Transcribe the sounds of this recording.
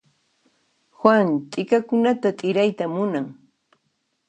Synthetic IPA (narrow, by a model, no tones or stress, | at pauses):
xwaŋt̪ʼɪkakʊnat̪at̪ʼɪɾajt̪amʊnaŋ